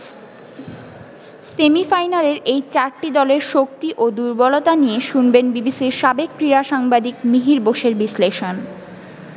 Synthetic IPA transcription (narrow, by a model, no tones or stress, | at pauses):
semifajnaleɾejt͡ɕaɾʈid̪ɔleɾʃok̚t̪iʔod̪uɾbolot̪anijeʃunbenbibisiɾʃabek̚pɾiɾaʃaŋbad̪ikmiɦiɾboʃeɾbisleʃon